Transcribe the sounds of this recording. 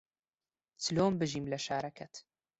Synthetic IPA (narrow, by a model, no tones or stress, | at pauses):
t͡sɨloːmbɨʒiːmlɐʃaːɾɐkʰɛt̪